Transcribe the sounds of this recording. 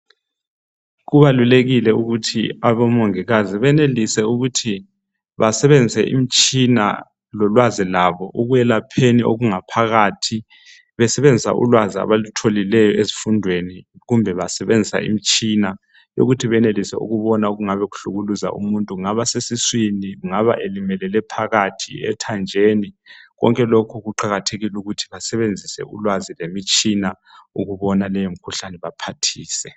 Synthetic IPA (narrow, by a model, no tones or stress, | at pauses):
ɣuβaluleɣilɛuɣutʰḭaβɔmoŋiɣaziβɛnelisɛuɣutʰi | βasɛβend͡zʱisɛ̰ʔḭm̩t͡ʃʼina̰ | lɔlwazilaβɔʔuɣujɛlapʰenio̰ɣuŋapʰaɣaːtʰi | βɛsɛβend͡zʱisa̰ʔṵlwazia̰βalutʰolilɛjɔezifundʱweniɣumbʱɛβasɛβend͡zʱisa̰ḭm̩t͡ʃʼina | jo̰ɣutʰiβɛnelisɛ̰ṵɣuβɔnauɣuŋaβɛɣuɬuɣuluza̰ʔṵmuntʼuŋaβasesiswiniɣuŋaβa̰ʔelimɛlɛlɛpʰaɣatʰḭɛ̰tʰand͡ʒʱeːniɣɔ̰ŋkʼɛlokʰuɣuǃaɣatʰeɣiluɣutʰi̥βasɛβend͡zʱisɛ̰ṵlwazilemit͡ʃʼina | uɣuβɔnalɛjom̩kʰuɬanɛβapʰatʰiːsɛ